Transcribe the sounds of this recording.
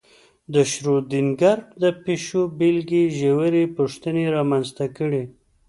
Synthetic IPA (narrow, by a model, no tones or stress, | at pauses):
d̪əʃɾod̪inɡaɾkd̪əpeʃobilɡiʒewəɾepuʂt̪əneɾɑmanzt̪akəɽe